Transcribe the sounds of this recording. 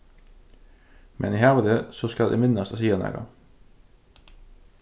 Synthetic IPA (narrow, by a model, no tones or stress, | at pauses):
mʔɛ̰niːhæʁʋəd̪əsoskɑld̪ɛ̰mɪnɑsɑsiːɑnæ̰ːɡɑ̰